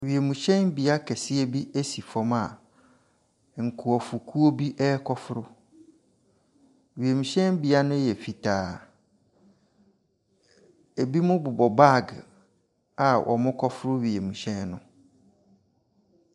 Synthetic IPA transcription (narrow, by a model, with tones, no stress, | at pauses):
ɥi˨e˨mũ˨ɕɛ̃˦nbi˨a˦kʰɛ˨sɪ˦e˦bi˦e˦si˨fɔ̃˨ma˨ | ŋ̩˨kʰʊ˨ɔ˨fʊ˨kʰu˦o˦bi˦ʔɛː˦kʰɔ˦fʊ˦ɾʊ˦ | ɥi˨e˨mũ˨ɕɛ̃˦n˦bi˨a˦nʊ̃˦jɛ˨fi˨tʰaː˨˦˨ | e˨bi˦mʊ̃˦bʊ˨bɔ˨ba˦˨ɡ | a˨wʔɔ̰˨mʊ̃˦kʰɔ˦fʊ˦ɾʊ˦ɥi˨e˨mũ˨ɕɛ̃˦nːʊ̃˨